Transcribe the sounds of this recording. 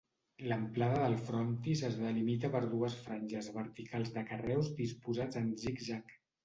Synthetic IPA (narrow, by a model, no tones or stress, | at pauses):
ləmplaðəðəlˠfɾɔnt̪izəzðəlimit̪əpəɾðuəsfɾanʲʒəzβəɾt̪ikalˠzðəkərɛwzd̪ispuzad͡zənzikʒak